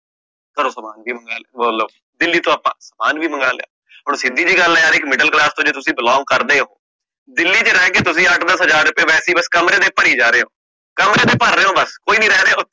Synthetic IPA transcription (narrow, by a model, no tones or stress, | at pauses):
t̪əɾõːsəmaːnbiːməŋɡaːlːbəːloːb | d̪ɪlːiːt̪õːaːpã̰ːsəmaːnbiːməŋɡaːlja̰ː | ɦoːɾsɪd̪iːd͡ʒiːɡəlːɛːaːɾɪkmɪɖəlklaːst̪õːd͡ʒeːt̪ʊsĩːbɪlɔ̃ːŋ̚kəɾd̪eːɦo̰ː | d̪ɪlːiːt͡ʃəɾɛːkeːt̪ʊsĩːəʈʰd̪əsɦəzaːɾːʊpeːʋɛːsiːbəskəmɾeːd̪eːpəɽiːd͡ʒaːɾeːɦõ̰ː | kəmɾeːd̪eːpəɾːeːɦõːbəskoːiːnĩːɾɛːɾeː